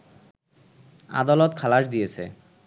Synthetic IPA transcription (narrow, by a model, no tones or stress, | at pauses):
a̰d̪alot̪kʰalaʃd̪ijet͡ɕʰḛ